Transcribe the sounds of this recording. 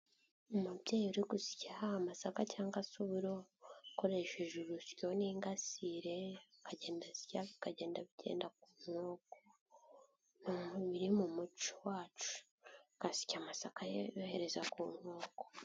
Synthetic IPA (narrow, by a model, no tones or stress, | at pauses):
umubɟeːjuɾiɡusi̥cahamasakacaːŋɡasuβiɾo̞ko̞ɾe̞ʃeʒuɾusjo̞niːŋɡasiɾe̞kaɟe̞ːndasi̥caβikaɟe̞ːndaβiɟe̞̰ːndak̚uːnhoːko | noβiɾimumut͡ʃowaːt͡ʃu̥ | kasi̥camasakajejohe̞ɾe̞zakuːnhoːko̥